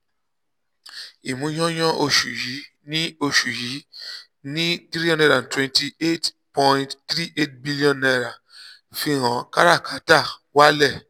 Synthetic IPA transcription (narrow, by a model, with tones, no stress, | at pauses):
i˨mũ˨˦j̃ɔ̃˦j̃ã˦ʔo˧ʃu˨ji˨˦ | nĩ˦o˧ʃu˨ji˨˦ | nĩ˦tɾi˦ɔ̃˦˧ndɛ˧˨da˨n˨twɛ̃˧nti˧e˦t | pɔ̃˧ĩtt̪ɾi˦ʔe˦˨t̚bi˦li˦ɔ̃˦˨nːa˧ɾa˨ | fi˧ɾã˨˦ka˦ɾa˦˨kʰa˨˦ta˦˨wa˦lɛ˦˨